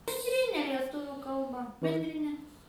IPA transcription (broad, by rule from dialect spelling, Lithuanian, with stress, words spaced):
bʲɛnʲˈdʲrʲɪnʲɛ lʲiɛˈtʊʋʲuː kɐlˠˈbɐ bʲɛnʲdʲrʲɪˈnʲɛ